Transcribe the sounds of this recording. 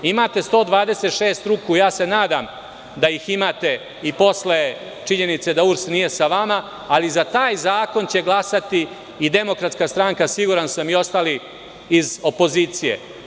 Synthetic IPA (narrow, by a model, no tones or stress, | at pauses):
imat̪e̞st̪o̞ːd̪ʋaːd̪e̞se̞t̪ʃeːst̪ɾukujaːse̞naːd̪am | d̪ajiximaːt̪e̞ | ipo̞sle | t͡ʂiɲe̞nit̪se̞d̪auɾst̪nije̞saʋamaː | lizat̪aːjzaːko̞nt͡ɕe̞ɡlˠasat̪iː | d̪e̞mo̞kɾat̪skast̪ɾaŋkasiɡuːɾansamio̞st̪aːli | izo̞po̞ziːt̪sijḛ